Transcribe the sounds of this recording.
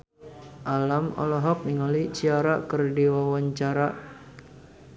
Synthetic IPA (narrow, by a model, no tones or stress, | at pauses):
ʔalamɔ̰lɔɦɔk̚niŋalit͡ʃiaɾakɨrdiwawaɲt͡ʃaɾa